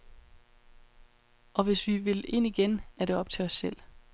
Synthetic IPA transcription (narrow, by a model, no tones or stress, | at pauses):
ʔɒ̽ʋe̝sʋiʋe̝le̝n̰iɡ̥enæɾ̥e̝ɒ̽b̥̚t͡sʰe̝ɒ̽sːel̰